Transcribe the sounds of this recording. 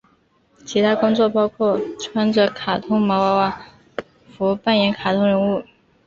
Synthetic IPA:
t͡ɕʰi˧˥t̪ʰa˥kʊ˥ŋt͡swɔ˥˩pɑ˥ʊkʰwɔ˥˩ʈ͡ʂʰwa˥nʈ͡ʂɤ˧˥kʰa˨˩t̪ʰʊ˥ŋmɑ˧˥ʊwa˧˥ʊwa˥˩ | fu˧˥˧pa˥˩njɛ˧˥nkʰa˨˩t̪ʰʊ˥ŋɻə˧˥nu˥˩

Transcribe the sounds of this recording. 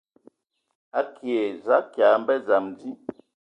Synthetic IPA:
a˦kʰje˨za˦kja˨m˦bɛ˦d͡za˨mdi˦

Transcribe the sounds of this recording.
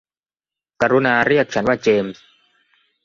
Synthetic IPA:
ka˧ɾu˦˥naː˧ɾi˥˩ək̚t͡ɕʰa˦˥nwaː˥˩t͡ɕeː˧ms

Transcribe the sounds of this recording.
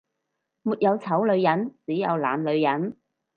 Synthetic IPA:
muː˨t̚jɐ˨˧wt͡sʰɐ˨˥wlɵ˨˧ɥjɐ˨˥nt͡siː˨˥jɐ˨˧wla̰ː˨nlɵ˨˧ɥjɐ˨˥n

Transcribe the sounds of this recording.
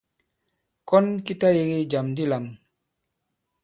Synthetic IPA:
kɔ˦nki˦ta˦je˨ɡi˦d͡ʒa˨mdi˦la˨m

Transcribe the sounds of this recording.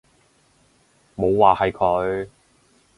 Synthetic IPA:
mo˨˧wwaː˨hɐ˨jkʰɵ˨˧˥ɥ

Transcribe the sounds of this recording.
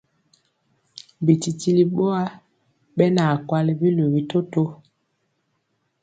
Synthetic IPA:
bi˨ti˨ti˦li˨ɓo˦a˦ | ɓɛ˦na˨kwa˦li˦bi˦lo˨ɣi˦to˦to˦

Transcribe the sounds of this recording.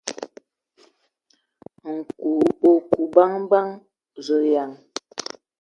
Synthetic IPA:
ŋ̩˨ku˨o˨ku˨ba˦ŋ˦ba˦ŋ | zə˨ja˨ŋ

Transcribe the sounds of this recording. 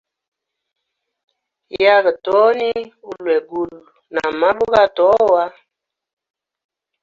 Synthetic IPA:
ja˦ɣə˨tɔ˨˦ni˦u˦lwɛ˨ɡu˦˨lna˨ma˦bu˦ɣa˦tɔ˨˦˨wa˦

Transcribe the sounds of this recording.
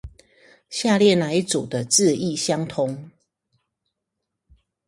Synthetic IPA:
ɕja˥˧ljɛ˥˨na˨˦ɪt͡su˨˩d̪ə˦t͡sɹ̩˥˧i˥˨ɕjɑ˦ŋt̪ʰʊ˦ŋ

